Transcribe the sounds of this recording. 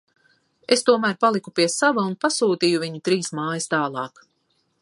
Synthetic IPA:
est̪uɔmæːɾpalˠikupiɛsavaunpasuːt̪iːjuviɲut̪ɾiːsmaːjist̪aːlˠɑːk

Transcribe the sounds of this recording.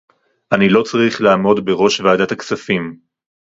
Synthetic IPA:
ʔanilo̞t͡saʁiχlaːmo̞dbe̞ʁo̞ʃvaaːdat̪aksafim

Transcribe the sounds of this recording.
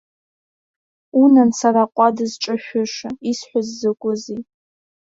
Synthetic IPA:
unansaraqʷʼadɨzʈ͡ʂʼaʃᶣʊʂaisħʷazzakʷʼʊzi

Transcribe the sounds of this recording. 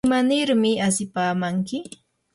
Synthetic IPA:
manɪɾmɪasɪpaːmaŋkɪ

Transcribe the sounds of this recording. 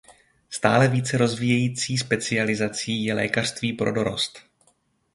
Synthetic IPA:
st̪aːlɛviːt͡sɛɾo̞zvijɛjiːt͡siːspɛt͡sɪalɪzat͡siːjɛlɛ̰ːkar̥st̪viːpɾo̞do̞ɾo̰st̪

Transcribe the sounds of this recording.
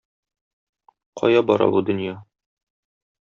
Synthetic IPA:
qʰɒ̰jɑbɒɾɑ̰bud̪ɵ̆njɑ

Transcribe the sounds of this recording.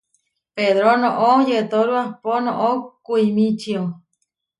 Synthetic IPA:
peðɾonõʔod͡ʒet̪oɾuaponõʔokuimĩt͡ʃio

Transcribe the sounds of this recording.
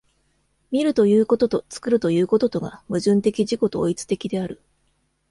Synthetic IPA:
mʲiɾɯ̟t̪o̞jɯːko̞t̪ot̪ot͡sɨ̥kɯ̟ɾɯ̟t̪o̞jɯ̟ːko̞t̪o̞t̪o̞ɡa̰mɯ̟ʑɨ̃nt̪e̞kʲiʑiko̞t̪o̞ːit͡sɨ̥t̪e̞kʲid̪e̞aɾɯ̟

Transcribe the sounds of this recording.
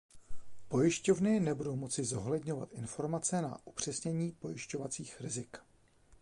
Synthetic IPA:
po̞jɪʃco̞vnɪnɛbudo̞wmo̞t͡sɪzo̞ɦlɛdɲova̰t̪ʔɪnfo̞ɾmat͡sɛna̰ʔupr̝̥ɛsɲɛɲiːpo̞jɪʃco̞vat͡siːxɾɪzɪk

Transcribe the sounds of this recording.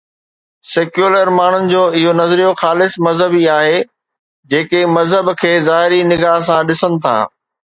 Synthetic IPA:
seːkjuːləɾmaːɳ̤ʊnɪ̆d͡ʑoːɪɦonɐzɾijoxaːlɪsmɐzɦəbiaːɦe | d͡ʑeːkemɐzɦəbkʰeːzaːɦɪɾinɪɡaːɦsãɗɪsənɪ̆t̪ʰa̰ː

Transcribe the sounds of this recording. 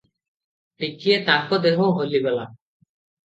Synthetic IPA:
ʈikiet̪akɔd̪eɦɔ̃ɦolibɔla̰

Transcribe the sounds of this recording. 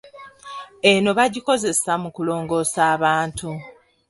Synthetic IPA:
e̞no̞βaɟiko̞ze̞samukulo̞ːŋɡo̞ːsaːβaːntu

